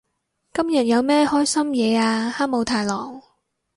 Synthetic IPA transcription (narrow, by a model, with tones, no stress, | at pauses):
kɐ˥mjɐ˨t̚jɐ˨˧wmɛː˥hɔː˥jsɐ˥mjɛː˨˧aː˧haː˥k̚mo˨˧wt̪ʰaː˨˧jlɔː˨˩ŋ